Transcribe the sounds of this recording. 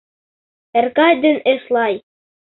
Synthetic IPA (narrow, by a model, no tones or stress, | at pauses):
ɘ̆ɾkɑd̪ɘ̆nɘ̆ʃlˠɑj